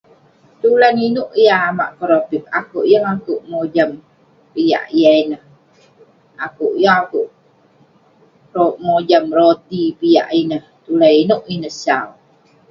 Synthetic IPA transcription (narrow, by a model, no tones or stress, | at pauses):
t̪ulaninuʔijaːma̰ʔkəɾopip̚akuʔjəŋakuʔmod͡ʒam | pija̰ʔijainəh | akuʔjəŋakuʔ | roʔmod͡ʒamɾot̪ipija̰ʔinəht̪ulaninuʔinəhsawu